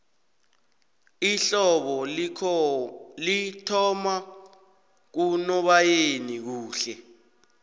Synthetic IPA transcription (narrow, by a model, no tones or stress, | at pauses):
iɬɔɓɔ | litʰɔma | k̬unɔɓajenik̬uːɬɛ